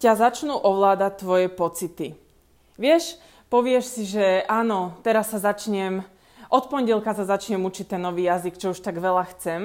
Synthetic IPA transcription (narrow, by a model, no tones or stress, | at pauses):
cazat͡ʃnuːʔɔʋlaːd̪ac̚t̪ːʋɔjɛpɔt͡sit̪i | ʋɪɛʃ | pɔʋɪɛʃsiʒɛaːnɔt̪ɛɾasːazat͡ʃɲɛm | ʔɔt̪pɔɲɟɛlkasazat͡ʃɲɛmut͡ʃic̚t̪ɛnːɔʋiːjazikt͡ʃɔuʃt̪aɡʋɛʎaxt͡sɛm